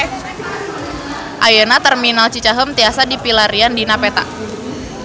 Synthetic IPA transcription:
ʔajənat̪ərminalt͡ʃit͡ʃaɦəmt̪iasadipilaɾiandinapet̪a̰ʔ

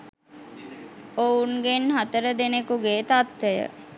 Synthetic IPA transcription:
ounɡenɦat̪əɾəd̪enekuɡeːt̪at̪ʋejə̰

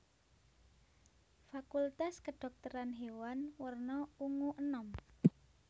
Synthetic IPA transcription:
fakult̪askəɖ̥ɔ̤k̚t̪əɾanɦewanwərnɔuŋuʔənɔm

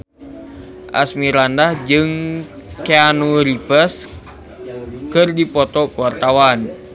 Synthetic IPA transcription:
ʔa̰smiɾandahd͡ʒɨŋkeanuɾipəs | kɨrdipɔt̪ɔkuwart̪awan

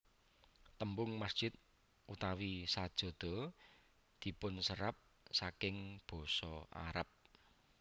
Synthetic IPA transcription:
t̪əmbʊŋmasd̥ʒ̥ɪt̪̚ | ʔut̪awisad̥ʒ̥ɔ̤d̪̥ɔ̤ | d̪̥i̤pʊnsəɾap̚ | sakɪŋb̥ɔ̤sɔʔa̰ɾəp̚

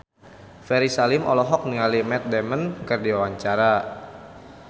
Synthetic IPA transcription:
fɛɾisalimʔɔ̰lɔɦɔk̚niŋalimɛt̪̚dɛmənkərdiwawaɲt͡ʃaɾa

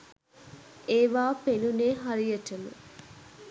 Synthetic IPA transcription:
ʔeːʋaːpenuneːɦaɾijəʈəmə̰

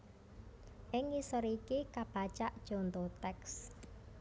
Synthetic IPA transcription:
ʔɪŋisɔɾikikab̥a̤t͡ʃaʔd̥ʒ̥o̤nt̪ot̪ɛks

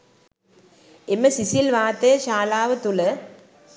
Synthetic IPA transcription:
emːɐsisjlʋaːt̪ːeːʃaːlaːʋɐt̪ːulɐ

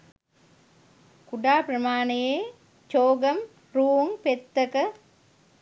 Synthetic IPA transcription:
kuɖaːpɾɐmaːnejeː | t͡ʃoːɡɐm | ɾuːuŋpet̪ːɐkɐ

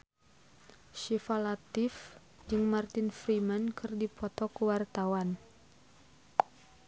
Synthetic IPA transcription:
ʃifalat̪ɪf | d͡ʒɨŋmart̪ɪnfɾimankɨrdipɔt̪ɔkəwart̪awan

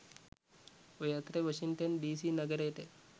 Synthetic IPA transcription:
ojat̪ɾeʋɐʃiŋʈɐnɖiːsinɐɡɐɾeːʈe

